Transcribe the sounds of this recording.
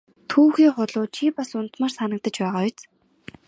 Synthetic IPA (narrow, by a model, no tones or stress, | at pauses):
t̪ʰuːxiːŋχʊɮʊːt͡ɕʰipasʊnt̪maːrsanə̆k̚t̪ə̆t͡ɕpæːʁaːʊt͡s